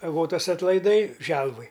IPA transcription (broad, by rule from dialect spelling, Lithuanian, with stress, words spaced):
ɐˈɡoːtɐs ɐtlˠɐɪˈdɐɪ ˈʒʲɛlˠʋʊj